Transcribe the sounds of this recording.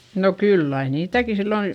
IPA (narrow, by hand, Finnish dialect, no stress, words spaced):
no kylː ɑi niːtæki silːoin̞